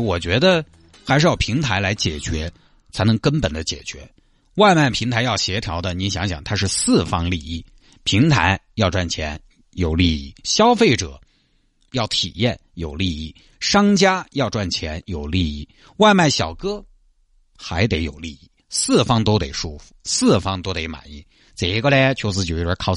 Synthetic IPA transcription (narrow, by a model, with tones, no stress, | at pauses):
wɔ˨˩t͡ɕɥɛ˧˥d̪ə˧ | xa˧˥ɪʂɻ̩˥˧jɑ˥˩ʊpʰi˧˥ŋt̪ʰa˧˥ɪla˧˥ɪt͡ɕjɛ˨˩t͡ɕɥɛ˧˥ | t͡sʰa˧˥ɪnɤ˧˥ŋkə˥npə˨˩nd̪ə˦t͡ɕjɛ̰˨˩t͡ɕɥɛ̰˧˥ | wa˥˧ɪma˥˩ɪpʰi˧˥ŋt̪ʰa˧˥ɪjɑ˥˩ʊɕjɛ˧˥t̪ʰjɑ˧˥ʊd̪ə˧ni˧˥nɕjɑ˧˥ŋɕjɑ̰˨˩ŋt̪ʰa˥ʂɻ̩˥˧sɹ̩˥˩fɑ˥ŋli˥˧i˥˩ | pʰi˧˥ŋt̪ʰa̰˧˥ɪjɑ˥˧ʊʈ͡ʂwa˥˩nt͡ɕʰjɛ˧˥n | jo˨˩ʊli˥˧ḭ˥˩ɕjɑ˥ʊfe˥˩ɪʈ͡ʂɤ̰˨˩˦ | jɑ˥˩ʊt̪ʰḭ˨˩jɛ˥˩njo˨˩ʊli˥˧i˥˩ | ʂɑ˥ŋt͡ɕja˥jɑ˥˧ʊʈ͡ʂwa˥˩nt͡ɕʰjɛ˧˥njo˨˩ʊli˥˧i˥˩ | wa˥˧ɪma˥˩ɪɕjɑ˨˩ʊkɤ˥ | xa˧˥ɪt̪e˧˥ɪjo˨˩ʊli˥˧i˥˩ | sɹ̩˥˩fɑ˥ŋt̪o˥ʊt̪ḛ˨˩ɪʂu˥˩fu̥˨˩sɹ̩˥˩fɑ˥ŋt̪o˥ʊt̪e˧˥ɪma̰˨˩ni˥˩ | t͡se˨˩i˥kə˥˧lɛ˥t͡ɕʰo˧˥ʊsɹ̩˧˥t͡ɕjo˧˩˥ə˧˥kʰɑ˥˩ʊ